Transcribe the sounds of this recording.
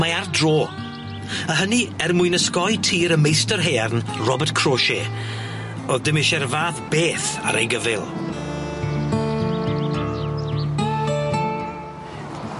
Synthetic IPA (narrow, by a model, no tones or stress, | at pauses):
maardroː | əɦəniɛrmʊɨnəskɔjtʰiːɾəmejstərɦeːarnrɔbərtkʰr̥oːʃe | oðdɪmɪʃɛrvaːθbeːθa̰ɾʔḛjɡəvɪlˠ